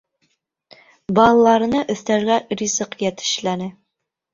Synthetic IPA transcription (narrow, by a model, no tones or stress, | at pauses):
bɑlˠɑlˠɑɾɤ̆nɤʔɵ̆θt̪æɾɡærʲizɤqjæt̪ɘ̥̆ʃlænɘ